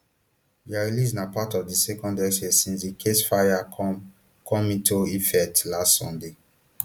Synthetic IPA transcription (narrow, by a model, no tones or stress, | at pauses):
diaɹilisnapatɔvdisɛkɔ̃ndɛʃesĩnsdikʰesfaja | kʰɔ̃mitʰoifɛtlastsɔ̰̃nde